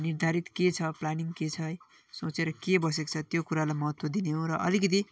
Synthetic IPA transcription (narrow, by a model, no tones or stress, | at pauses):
nird̪ʱaɾit̪ket͡sʰʌplaniŋɡket͡sʰʌj | sot͡seɾʌkebʌs̬ekt͡sʰʌt̪jokuɾalajmʌɦʌt̪wʌd̪ineɦoɾʌʔʌlikʌt̪̬i